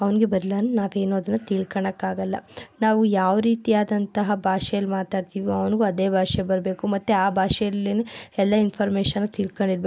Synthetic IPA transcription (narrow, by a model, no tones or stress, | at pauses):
ɐʋɐnɡe̞bɐɾlaːnunaːʋe̞ːnoːɐd̪ɐnːut̪iɭkɐɳɐkːaːɡɐlːɐ̰naːʋujaːʋɐɾiːt̪ijaːd̪ɐnt̪ɐɦɐbʱaːʂɛjɐlːimaːt̪aːɖ̚t̪iːʋiɐʋɐnɡuɐd̪eːbʱaːʂebɐɾɐbe̞ːkumɐt̪ːeaːbʱaːʂɛjɐlːineɛlːɐinpʰɐɾmeːʂɐnːut̪iɭkoɳɖiɾbe